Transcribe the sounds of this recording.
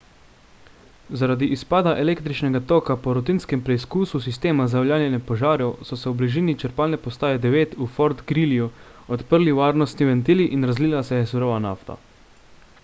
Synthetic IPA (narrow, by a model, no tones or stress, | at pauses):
zaɾaːd̪iʔispaːd̪aʔɛleːkt̪ɾit͡ʃnɛɡat̪oːkapɔɾɔt̪inskɛmpɾɛiskuːsus̬ist̪eːmazawljaːnjɛnɛpɔʒaːɾjɔwsɔsɛuwbliʒiːnit͡ʃəɾpaːlnɛpɔst̪aːjɛd̪ɛʋeːt̪ufɔɾt̪ɡɾiliuɔt̪pəɾliʋaːɾnɔst̪niʋɛnt̪iːliʔinɾazliːlasɛɛsuɾoːʋana̰ːft̪a̰